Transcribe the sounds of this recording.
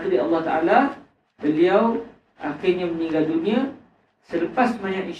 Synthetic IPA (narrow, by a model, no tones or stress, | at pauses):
kdiɑlːɑht̪aʔa̰la | b̥əliaw | ʔaxirɲamə̃nĩɡadunĩa | sələpasmaɲat̪i